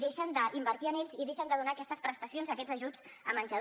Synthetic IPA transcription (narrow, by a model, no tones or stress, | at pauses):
ðeʃənd̪əʔimbəɾt̪iəneʎʲziðeʃənd̪əðunaːkɛst̪əspɾəst̪əsionzəkɛd͡zəʒud͡z | əmənʲʒə